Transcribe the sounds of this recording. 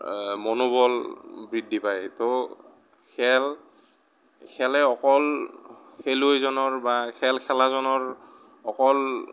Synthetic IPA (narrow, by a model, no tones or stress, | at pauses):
mɔnobɔlbɹidʱːipajto | kʰɛl | kʰɛlɛɔkɔl | kʰeluojzɔnɔɹbakʰɛlkʰɛlazɔnɔɹ | ɔkɔl